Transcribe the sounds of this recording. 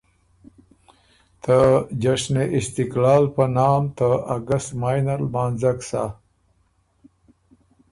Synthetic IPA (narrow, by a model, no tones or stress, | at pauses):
t̪ad͡ʒaʂneʔɪst̪ɪklɑːlpənɑːmt̪aaɡəst̪maːjnaɾlmaːnzaksa